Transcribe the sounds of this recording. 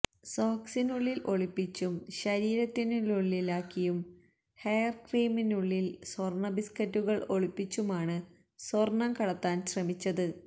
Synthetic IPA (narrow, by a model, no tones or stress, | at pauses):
soːksinuɭːilʔo̞ɭipːit͡ɕːumɕɐɾiːɾɐt̪ːinuɭuɭːilaːkːijum | hɐjɐrkriːminuɭːilsorɳɐbiskɐtːuɣɐɭo̞ɭipːit͡ɕːumaːɳɨ | sorɳɐmkɐɽɐt̪ːaːnɕrɐmit͡ɕːɐðɨ